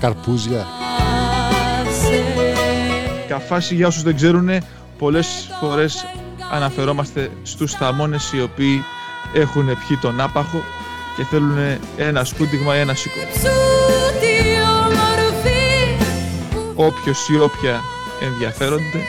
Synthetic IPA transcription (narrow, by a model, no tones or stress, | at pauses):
kɐɾpuzʝɐ | cɐfɐsiʝɐo̞suzðe̞ɡze̞ɾune̞ | po̞le̞sfo̞ɾe̞s | ɐ̰nɐfe̞ɾo̞mɐst̪e̞ | st̪ust̪ɐmo̞ne̞sio̞piː | e̞xune̞pçit̪o̞nɐpɐxo̞ | ce̞θe̞lune̞ | enɐskud̪iɣmɐie̞nɐsikout̪iomoɾofi | o̞pço̞sio̞pçɐ | e̞nðʝɐfe̞ɾo̞nd̪e̞